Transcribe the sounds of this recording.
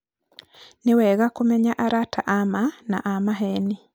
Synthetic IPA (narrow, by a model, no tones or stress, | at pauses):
newɛɣakomɛɲaʔaɾatʰaʔamanaʔamaɦɛni